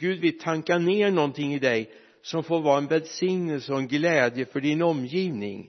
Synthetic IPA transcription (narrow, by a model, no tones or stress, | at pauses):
ɡ̥ʉ̟ːd̪vɪlt̪ʰaŋkaneːnɔnt̪ʰɪŋːɪd̪ɛj | sɔmfoːɾvɑːɾaɛnvɛlsɪŋnəlsəɔɛnɡlɛːd̪jəfœɖɪnɔmːjiːvnɪ̰ŋ